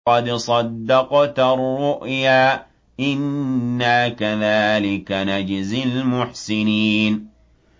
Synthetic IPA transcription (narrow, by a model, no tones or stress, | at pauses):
ɑd̪sˤɑd̪ːɑqt̪arːʊʔjaː | ʔɪnːakaðaːlɪkanad͡ʒzalmʊħsɪniːn